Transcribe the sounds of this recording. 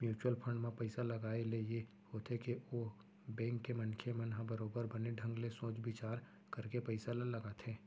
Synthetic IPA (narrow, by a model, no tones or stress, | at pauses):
mjuːt͡ʃwəlpʰə̃ɳɖmẽpɐɪsalɐɡaːeleje | hoːt̪ʰɦekeoː | bɛ̃ːŋkːemɐ̃nkʰemɐnɦãbɐɾoːbəɾbɐneɖʱɐ̃ŋɡlesõːt͡ʃbɪt͡ʃaːɾ | kɐɾkepɐɪsalɐlɐɡaːt̪ʰẽː